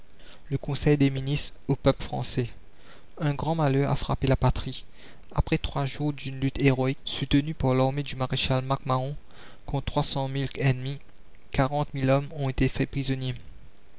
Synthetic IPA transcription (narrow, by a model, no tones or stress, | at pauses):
ləkɔ̃sɛjd̪eminist̪opœplfχɑ̰̃sɛ | ɛ̃ɡʁɑ̃malœʁa̰fχa̰pelapat̪χi | apχɛt̪χwaʒuːʁd̪ynlyt̪eʁɔiksut̪ənypaʁlaʁmed̪ymaʁeʃalmakmaʁɔ̃ | kɔ̃t̪χwasɑ̃milɛnmi | kaʁɑ̃t̪milɔmɔ̃et̪efɛpχizɔnje